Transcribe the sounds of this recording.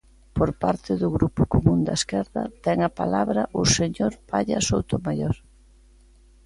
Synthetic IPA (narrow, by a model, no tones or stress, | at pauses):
poɾpaɾt̪ɪðʊɣɾupʊkomũnd̪ɐ̰eskɛɾðɐ̰t̪ɛŋɐpa̰laβɾɐʔʊseɲoɾpaʎɐsowt̪ʊmajoɾ